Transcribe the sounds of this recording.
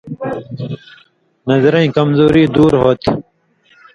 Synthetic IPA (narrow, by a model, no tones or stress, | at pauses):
nʌzɾɐ̃ĩkɐmzoːɾiːd̪uːɾɦoːt̪